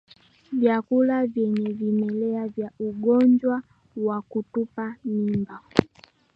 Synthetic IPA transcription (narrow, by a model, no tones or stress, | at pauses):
vjakulavjɛɲɛvimɛlɛavjaʔuɡɔɲd͡ʒwa | wakutupanimba